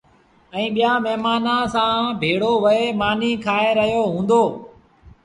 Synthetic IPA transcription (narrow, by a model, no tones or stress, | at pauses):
ɛ̃ĩːɓɪjaːmɛɦmaːnãːsãːbʱeːɽoːʋəeːmaːniːkʰaːeːɾəɦijoːɦũːnd̪oː